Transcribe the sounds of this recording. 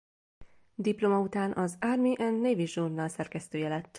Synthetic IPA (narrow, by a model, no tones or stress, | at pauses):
d̪iplomɒut̪aːnʔɒzarmiʔɛnːeːviʒornːɒlsɛrkɛst̪øːjɛlɛt̪ː